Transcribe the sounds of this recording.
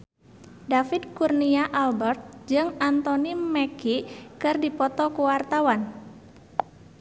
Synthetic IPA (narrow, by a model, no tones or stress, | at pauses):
dafɪd̪̚kurniaʔalbɛrt̪̚d͡ʒɨŋant̪ɔnimɛkikɨrdipɔt̪ɔkuwart̪awan